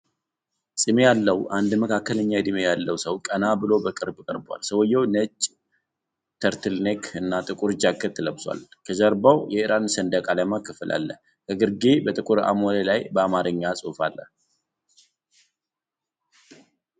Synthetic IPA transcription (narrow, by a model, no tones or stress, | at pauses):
sʼɨme̞jalːəwʔand̪məkakːələɲːajd̪imejalːəwsəwkʼənabɨlo̞bəkʼɨɾbkʼəɾba̰lsəwɔjːɛwnət͡ʃʼː | t̪ʰəɾt̪ʰɨlnekʰɨnːat̪ʼɨkʼuɾd͡ʒakːət̪ʰɨləbsʷa̰lkʰəzəɾbawjɛɨɾansənd̪əkʼalajmakʰːɨfɨlʔa̰lːə | kʰəɡɨɾɡebət̪ʼɨkʼuɾa̰molelajbəamaɾɨɲːasʼufalːə̰